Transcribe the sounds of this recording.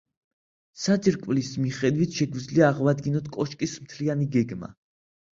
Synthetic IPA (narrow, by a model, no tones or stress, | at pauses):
sad͡ʒiɾkʼvlismiχɛd̪wit̪ʰʃɛɡwid̪zliaːʁwad̪ɡinɔt̪ʰkʼɔʃkʼismt̪ʰlianiɡɛɡma̰